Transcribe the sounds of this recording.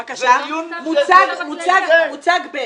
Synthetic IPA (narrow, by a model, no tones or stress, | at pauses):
amut͡saɡmut͡saɡmut͡saɡb